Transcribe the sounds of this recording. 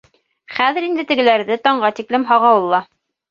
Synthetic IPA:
χæðɘ̆ɾind̪ɘt̪ɘ̆ɡɘ̆læɾðɘt̪ɒɴɢɑt̪iklɘmɦɑʁɑwɤ̆lˠːɑ

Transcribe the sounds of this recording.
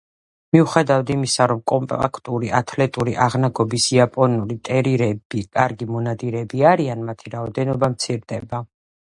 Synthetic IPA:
miuχɛd̪avad̪imisaɾɔmkʼɔmpʼa̰kʰt̪ʼuɾiʔat̪ʰlɛt̪ʼuɾiʔaʁnaɡɔbisiapʼɔnuɾit̪ʼɛɾiɾɛbikʼaɾɡimɔnad̪iɾɛbiaɾianmat̪ʰiɾaɔd̪ɛnɔbamt̪sʰiɾd̪ɛba

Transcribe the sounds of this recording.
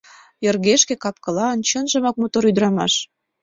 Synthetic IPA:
jə̆rɣeʃkekɑp̚kɤ̆lɑənt͡ɕənʒə̆mɑk̚mot̪oɾyd̪ɾɑmɑ̰ʃ

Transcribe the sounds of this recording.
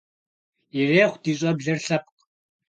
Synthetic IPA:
jɛreːχʷd̥iːɕʼɐbɮɐrɬɐp̚q

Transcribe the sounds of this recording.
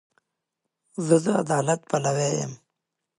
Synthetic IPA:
zəd̪əa̰d̪ɑːlat̪̚palawejə̰m

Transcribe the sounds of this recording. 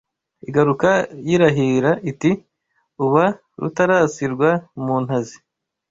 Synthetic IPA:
iɡaɾukajiɾaɦiɾaʔiti | uβa | ɾṵtaɾasiɾɡwamuːnhazi

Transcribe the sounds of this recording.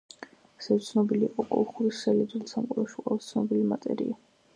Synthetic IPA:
asɛt̪sʰnɔbiliːqʼɔkʼɔ̰lˠχuɾisɛlɛd̪ulsʰamqʼuɾaʃiqʼwɛlˠast̪sʰnɔbilima̰t̪ʼɛ̰ɾḭa

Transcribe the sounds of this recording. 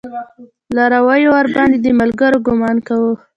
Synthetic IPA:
laɾawajowaɾbɑnd̪ed̪əmalɡaɾoɡʊmɑnkawə

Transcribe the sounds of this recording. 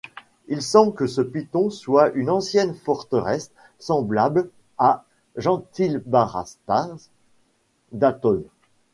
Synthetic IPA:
ilsɑ̃bkəsəpit̪ɔ̃swaʔynɑ̃sjɛnfɔʁt̪əʁɛsː | ɑ̃blabl | a | ʒɑ̃t̪ilbaʁa̰st̪a | d̪at̪ɔn

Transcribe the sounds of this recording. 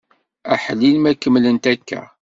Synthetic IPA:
æħlilmækəmlənt̪ækːæ̰

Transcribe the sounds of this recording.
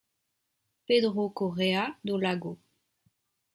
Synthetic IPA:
pedʁokoʁead̪olaɡo

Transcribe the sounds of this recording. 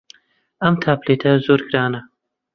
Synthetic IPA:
ɐmt̪ʰaːpleːt̪ʰɐzoːɾɡɾaːnɐ

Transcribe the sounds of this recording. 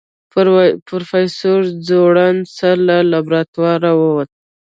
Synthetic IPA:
pɾofajsoɾd͡zoɽansalalabɾat̪wɑɾawəwat̪ə

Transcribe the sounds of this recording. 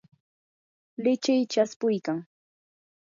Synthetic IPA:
lɪt͡ʃɪjt͡ʃaspʊjkaŋ

